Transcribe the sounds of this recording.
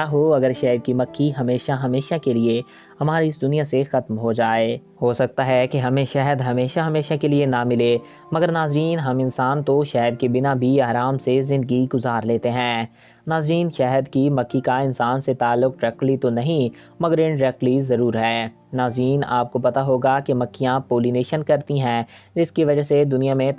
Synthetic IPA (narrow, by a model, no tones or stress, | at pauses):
aɦoɐɡəɾʃɛːɦəd̪̚kimɐkʰːiɦɐmeːʃaɦɐmeːʃakelie | hɐmaːɾiɪsd̪ʊnijasexɐt̪mɦod͡ʒaːeː | ɦosɐk̚t̪aɦɛkeɦɐmẽʃɛɦəd̪ɦɐmeːʃaɦɐmeːʃakelienamɪleː | mɐɡəɾnaːzɾiːnɦɐmɪnsaːnt̪oʃɛɦəd̪̚kebɪnabʱiaːɾaːmsezɪ̃nd̪əɡiɡʊzaːɾleːt̪eɦɛ̃ː | naːzɾiːnʃɛɦəd̪kimɐkːikaɪnsaːnset̪aːlːʊk̚ʈɾɛːklit̪onɐɦĩ | mɐɡəɾɪ̃nʈɾɛklizɐɾuːɾɦɛː | naːzɾiːna̰ːp̚kopɐt̪aɦoːɡakemɐkːijãpoːlineːʃənkɐɾt̪iɦɛ̃ːd͡ʒɪskiʋɐd͡ʒased̪ʊnijamẽ